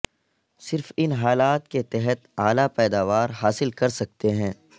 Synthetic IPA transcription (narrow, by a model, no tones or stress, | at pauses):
sɪɾfɪnɦaːlaːt̪ket̪ɛɦət̪aːlapɛːd̪aːʋaːɾɦaːsɪlkɐɾsɐk̚t̪eɦɛ̃ː